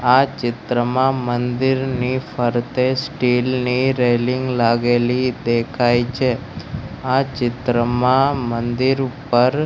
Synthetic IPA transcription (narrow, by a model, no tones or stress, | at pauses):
at͡ʃɪt̪ɾəmãmənd̪iɾnifəɾt̪esʈilniɾeliŋɡlaɡelid̪ekʰajt͡ʃʰe | at͡ʃɪt̪ɾəmãmənd̪iɾpəɾ